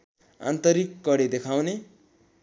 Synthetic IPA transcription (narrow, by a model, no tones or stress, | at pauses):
a̰nt̪ʌɾikːʌɽed̪ekʰawne